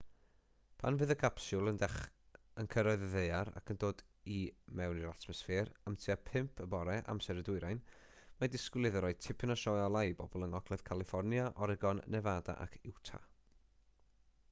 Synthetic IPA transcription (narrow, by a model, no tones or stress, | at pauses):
pʰanvɨːðəkʰapsʊlˠəndɛχ | ənkʰəɾɔɨðəðeɨaɾa̰kʰəndoːd | imɛwniɾatʰmɔsfeːɾamtʰiapʰɪmpʰəbɔɾɛʔa̰msɛɾədʊɨɾajn | madɪskwlˠɪðɔɾɔɨ̥tʰɪpʰɨnaʃɔɔlˠajbɔbɔlˠəŋɔɡlɛð̥kʰalˠɪfɔrnjaʔɔɾɛɡɔnnɛvaːda̰ʔa̰kʰɪwtʰa̰